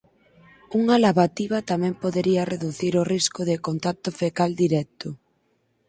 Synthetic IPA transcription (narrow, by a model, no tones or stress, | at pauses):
uŋalaβat̪iβɐt̪amɛ̃mpoðeɾiɐreðuθiɾoriskʊðɪkont̪at̪ʊfekald̪iɾɛt̪ʊ